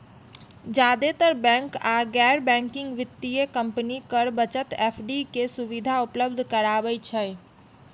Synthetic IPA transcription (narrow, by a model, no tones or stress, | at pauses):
d͡ʒad̪et̪əɾbɛ̃ŋkaɡɛɾbɛ̃ŋkiŋɡʋɪt̪ːiekəmpnikəɾbət͡ʃət̪epʰɖikesuʋid̪ʱaupləbd̪ʱkəɾaβɛt͡ʃʰə